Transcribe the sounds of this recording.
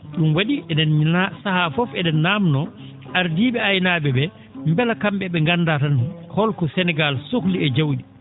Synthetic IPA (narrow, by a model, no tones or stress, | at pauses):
ɗumwaɗiʔɛdɛnasahafɔfɛdɛnːaːmnɔ | ʔaɾdiːɓɛajnaːɓɛbɛ | mbɛlakamɓɛɓɛŋɡanːdatanhɔlkɔsɛnɛɡalsokliɛd͡ʒawɗi